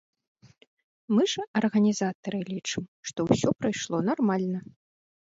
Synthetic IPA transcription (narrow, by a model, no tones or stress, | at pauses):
mɨʐɐʔɐrɣɐnʲizat̪ɐɾɨlʲit͡ʂɨmʂt̪ɔwsʲɔpɾɐjʂlˠɔnarmalʲnɐ